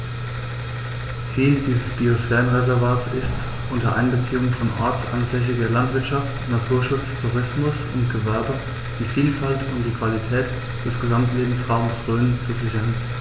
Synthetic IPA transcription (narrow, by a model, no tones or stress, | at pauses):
t͡siːldiːzəsb̥iosfɛːʁənʁezɛɐvaːtsɪst | ʔʊntɐʔa̰ɪnbət͡siːʊŋənfɔnʔa̰ɐt͡sʔa̰nzɛs̬əɡeːɐlantv̥ɪɐtʃaftnatʰuːɐʃʊt͡stʰuʁɪsmʊsʊntɡ̥əvɛɐbə | d̥iːfiːlfaltʰʊntd̥iːkv̥alitʰɛːt | d̥ɛsɡ̥əzamtleːbm̩sʁaʊməsʁøːnənt͡suzɪçɐn